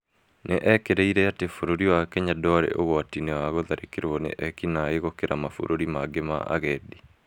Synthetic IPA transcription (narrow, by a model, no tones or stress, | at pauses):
neʔɛkeɾɛiɾɛatefoɾoɾiwakɛɲadɔɾɛ̰ʔoɣwatinɛwaɣoðaɾʔekeɾwɔnḛʔɛkinaeɣokeɾamafo̰ɾoɾimaɡema̰ʔa̰ɣɛdi